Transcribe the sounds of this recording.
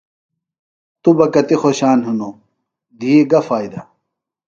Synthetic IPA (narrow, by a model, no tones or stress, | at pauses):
t̪ubɐkɐt̪ixoɕaːnɦuno | d̪ʱiːɡɐfaːid̪ɐ